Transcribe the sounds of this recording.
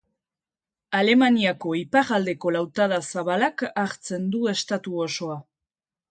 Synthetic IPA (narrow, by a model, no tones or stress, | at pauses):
ale̞maniako̞ipaɣald̪e̞ko̞lawt̪aðasaβalakaɾt͡se̞nd̪ue̞st̪at̪uo̞so̞a